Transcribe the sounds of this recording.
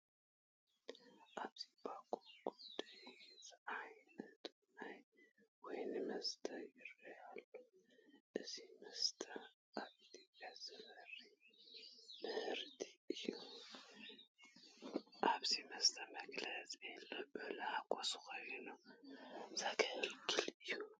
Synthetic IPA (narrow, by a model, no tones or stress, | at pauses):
ʔaβz̥ibakʰʼuɡ̥udd̪̥ajzajnɐt̪ʰ | najwɔjnɨmɐst̪ʰɐjɪɾɐjalːoʔɨzimɐst̪ʰɐ | ʔaβt̪iazɨmɐɾi | mɨhɨɾt̪ʰi̥ɨjːu | ʔaβzimɐst̪ʰɐmɐɡlɐzelːobɨlakʼosɨxojnu | zakʰɐhɨlkʰɨlɨjːu